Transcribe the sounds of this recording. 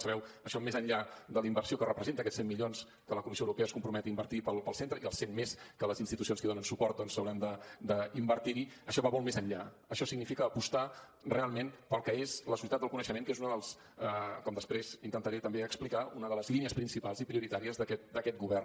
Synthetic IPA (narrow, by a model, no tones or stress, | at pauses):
səβɛwəʃɔmezənʎad̪ələimbərsiokərəpɾəzent̪əkɛsemːiʎons | kələkumisioəwɾupeəskumpɾumɛt̪əimbəɾt̪ipəlˠpəlˠsent̪ɾəiəlˠsenmeskələzinst̪it̪us̬ionskiðonənsupɔrt̪̚d̪ɔnsəwɾand̪əd̪əimbəɾt̪iɾiəʃɔβamolˠmezənʎa | əʃɔsiɡnifikəːpust̪a | realˠmenpəlˠkɛezləsusiət̪ad̪əlkunəʃəmeŋkezunəðəlˠs | əkɔmd̪əspɾezint̪ənt̪əɾet̪əmbeəksplikaunəðələzliniəspɾinsipalˠzipɾiuɾit̪aɾiəzðəkɛt̪̚d̪əkɛt̪̚ɡuβɛrn